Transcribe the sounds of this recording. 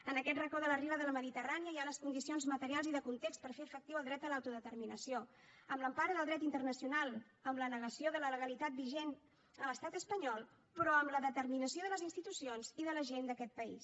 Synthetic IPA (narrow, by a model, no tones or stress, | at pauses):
ənəkɛt̪rəkɔðələriβəðələməðit̪əraniəjaləskund̪isionzmət̪əɾialˠziðəkunt̪ekspəɾfeəfək̚t̪iwəlˠd̪ɾɛt̪d̪əlawt̪uðət̪əɾminəsijo | əmləmpaɾəðəlˠd̪ɾɛt̪int̪ərnəsiunalˠ | əmlənəɣəsioðələləɣəlit̪at̪̚biʒen | ələst̪at̪əspəɲɔlˠ | pɾɔəmləðət̪əɾminəsioðələzinst̪it̪usionziðələʒend̪əkɛt̪̚pəḭs